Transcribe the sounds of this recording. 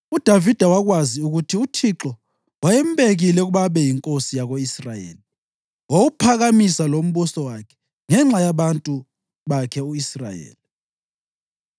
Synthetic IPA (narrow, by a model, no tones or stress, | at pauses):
ud̥ʱavid̥ʱawaɣwaziuɣutʰiutʰiǁɔ | wajɛmbʼeɣilɛuɣuβaβɛjiŋkʼosijaɣoisrajḛːli | woɣupʰaɣamisalom̩βusɔwakʰɛ̥ | ŋɛŋ͡ǁajaβantʼu | βakʰɛuisra̰jḛːli